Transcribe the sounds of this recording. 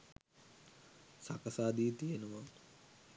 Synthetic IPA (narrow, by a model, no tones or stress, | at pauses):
sa̰kəsaːd̪iːt̪ijenəʋa